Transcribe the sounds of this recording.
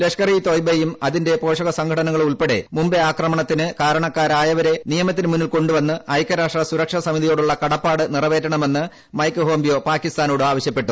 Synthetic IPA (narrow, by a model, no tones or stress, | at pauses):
leʂkɐriːt̪oːjbejumɐðinde̞po̞ːʂɐɣɐsɐŋɡʰʱɐɽɐnɐŋːɐɭuɭpe̞ɽe̞̰mumbeaːkrɐmɐɳɐt̪ːinɨkaːɾɐɳɐkːaːɾaːjɐʋɐɾe̞nijɐmɐt̪̬ːinɨmunːilko̞ɳɖuʋɐnːɨɐjkːɐɾaːʂʈrɐsuɾɐkʂɐsɐmiðijo̞ːɽuɭːɐkɐɽɐpːaːɽɨnirɐʋe̞ːtːɐɳɐme̞nːɨ | mɐjkːɨɦo̞ːmbijo̞ːpaːkist̪aːnoːɽɨaːʋɐɕjɐpːe̞ʈːu